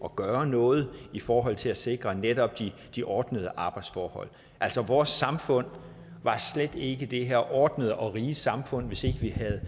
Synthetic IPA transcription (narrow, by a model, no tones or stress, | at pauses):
ɒ̽ɡ̥ɶːɐnɔ̽ːð̞̩ˠifɒːɦɒ̽l̰t͡sʰe̝læse̝ɡ̥ʁɐned̥ɒ̽b̥̚d̥i | d̥iʔɒːd̥nəð̞̩ˠəʔɑ̈ːb̥ɑ̈ɪd̥sfɒ̰ːhɒ̽l̰ | ʔæl̰sɒʋɒːsːɑ̈mfɔ̽n̰ | ʋɑ̈sled̥e̝ɡ̥əd̥e̝ɦeɐ̰ʔɒːd̥nəð̞ˠəʔɒ̽ʁi̥ːsɑ̈mfɔ̽n̰ʋe̝se̝ɡ̥əʋihæð̞̩ˠ